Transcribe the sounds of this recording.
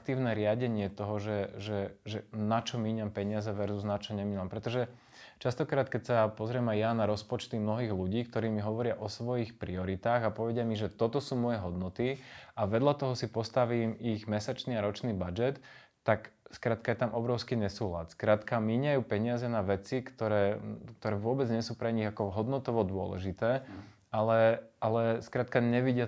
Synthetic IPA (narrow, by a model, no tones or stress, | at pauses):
t̪iːʊnɛɾɪaɟɛɲɪɛt̪ɔɦɔʒɛʒɛʒɛnat͡ʃɔmiːɲampɛɲɪazɛʋɛɾzuznat͡ʃɔɲɛmiːampɾɛt̪ɔʒɛ | t͡ʃast̪ɔkɾaːt̪kɛcsapɔzɾɪɛmajjanaɾɔspɔt͡ʃt̪imnɔɦiːɣluɟiːkt̪ɔɾiːmiɦɔʋɔɾɪaʔɔsʋɔjixpɾiɔɾit̪aːɣapɔʋɛɟɪamiʒɛt̪ɔt̪ɔsuːmɔjɛɦɔd̪nɔt̪iaʋɛd̪ʎat̪ɔɦɔsipɔst̪aʋiːmiɣmɛsat͡ʃniaɾɔt͡ʃniːbad͡ʒɛt̪ː | akskɾaːt̪̚kajɛt̪amʔɔbɾɔʊskiːɲɛsuːɦla̰t̪skɾaːt̪kamiɲajuːpɛɲɪazɛnaʋɛt͡sikt̪ɔɾɛːkt̪ɔɾɛːʋʊɔbɛd͡zɲɛsuːpɾɛɲiɣakɔɦɔd̪nɔt̪ɔʋɔd̪ʊɔ̰lɛ̰ʒit̪ɛː | alɛalɛskɾaːt̪kaɲɛʋiɟɪa